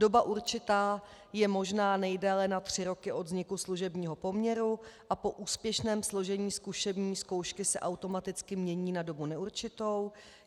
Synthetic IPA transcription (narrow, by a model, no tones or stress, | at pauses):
do̞baʔuɾt͡ʃɪt̪aː | jɛmo̞ʒnaːnɛjdɛlɛnat̪r̝̥ɪɾo̞kɪʔo̞d̪zɲɪkusluʒɛbɲiːɦo̞po̞mɲɛɾuʔapo̞ʔuːspjɛʃnɛːmslo̞ʒɛɲiːskuʃɛbɲiːsko̞wʃkɪsɛ̰ʔawt̪o̞mat̪ɪt͡skɪmɲɛɲiːnado̞bunɛuɾt͡ʃɪt̪o̞w